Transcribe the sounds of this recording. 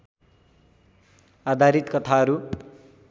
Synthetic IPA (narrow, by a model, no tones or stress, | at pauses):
ad̪ʱaɾit̪kʌt̪ʰaʌɾu